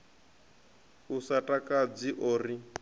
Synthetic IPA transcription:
usatʼakʼad͡ziʔoːri

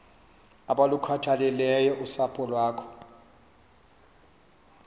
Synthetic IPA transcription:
aɓalukʰwatʰalɛlɛjɔʔusapʰʼɔlwaːkʰɔ̥

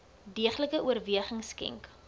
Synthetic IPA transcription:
diəχləkəʔuərviəχəŋskɛ̰ŋk

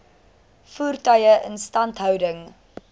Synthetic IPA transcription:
fuːrtœjəʔənstɐntɦœwdəŋ

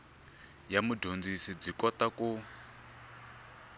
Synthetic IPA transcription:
jamudʱond͡zisib͡ʐikɔtaku

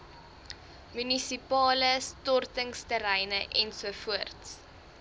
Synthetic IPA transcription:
mynisipɑːləstɔrtəŋstəɾɛjnəʔɛnsuəfuərts

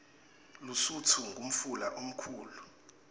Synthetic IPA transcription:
lusutʰuŋɡʱum̩fulaʔom̩kʰuːlu

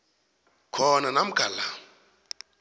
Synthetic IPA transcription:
kʰɔnanam̩ɡ̥ʱala

